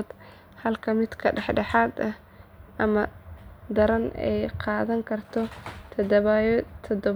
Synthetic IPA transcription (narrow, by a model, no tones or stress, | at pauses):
d̪ | hɐlkʰɐmɪd̪kʰɐɖɛħɖɑħɑːd̪ɐh | ʔɐmɐd̪ɐɾɐnɛ̰jqɑːðɐŋkʰɐrt̪ʰɔt̪ʰɐd̪βjt̪ʰɔd̪ɔ